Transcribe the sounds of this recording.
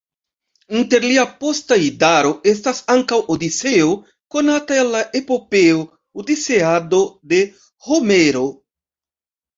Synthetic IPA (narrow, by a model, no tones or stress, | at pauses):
inte̞ɾliapo̞staidaɾo̞e̞s̬tasaŋkawodit͡se̞o̞ | ko̞nataelːaʔe̞po̞pe̞o | odise̞ado̞de̞ | ho̞me̞ɾo̞